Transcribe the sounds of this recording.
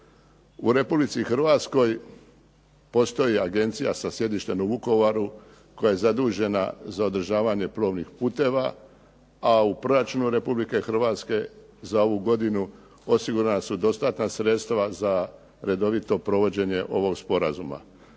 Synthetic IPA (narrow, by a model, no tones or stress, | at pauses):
uɾe̞publit̪sixrɾ̩ʋat̪sko̞j | po̞st̪o̞jiaɡe̞nt̪sijasasje̞d̪iʃt̪e̞nuʋuko̞ʋaɾu | ko̞jaje̞zad̪uːʒe̞na̰zao̞d̪ɾ̩ʒaːʋaɲe̞plˠo̞ʋnixpuːt̪e̞ʋa | aupɾo̞ɾat͡ʃunuɾe̞publike̞xr̩ʋaːt̪ske̞ | zao̞ʋuɡo̞d̪inu | o̞siɡuɾanasud̪o̞st̪at̪nasɾe̞t̪st̪ʋaza | ɾe̞d̪o̞ʋit̪o̞pɾo̞ʋo̞d͡ʑe̞ɲe̞ʔo̞ʋo̞ɡspo̞ɾazuma̰